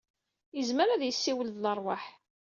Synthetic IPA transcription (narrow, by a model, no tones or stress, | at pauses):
jəzməɾæðjəsːiwəld̪lərˤwaħ